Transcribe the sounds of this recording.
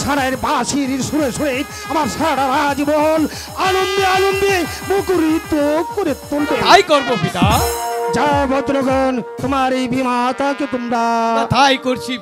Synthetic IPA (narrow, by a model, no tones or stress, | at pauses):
sʰanaeɾbasiɾiɾsuɾesuɽejt̪ | amaɾsaʈaɾad͡ʒibɔɦɔl | anond̪ɔanond̪e | bokuɾit̪okːoɾet̪ːolkot̪ajkɔɾbopit̪ad͡ʒabɔd̪ɾɔɡɔnt̪umaɾibʱimat̪aket̪umɾat̪ajkoɾt͡ʃʰi